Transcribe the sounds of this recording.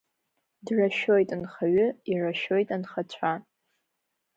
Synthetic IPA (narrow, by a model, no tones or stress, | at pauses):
draʃojtʼanχaɥʊiraʃo̞jtʼanχat͡ɕʷʰa